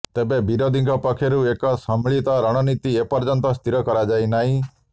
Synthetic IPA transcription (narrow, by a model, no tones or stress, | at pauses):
t̪ebebiɾɔd̪iŋɡʰɔpɔkʰeɾuekɔsɔmɭit̪ɔɾɔɽ̃ɔnit̪iepɔɾd͡ʒɔnt̪ɔst̪ʰiɾɔkɔɾad͡ʒajnaɦĩ